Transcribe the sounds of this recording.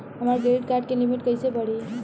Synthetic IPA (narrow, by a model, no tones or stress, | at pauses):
ɦəmaɾɡeʈ̚kaɾʈ̚kelimiʈkəjsebəɽi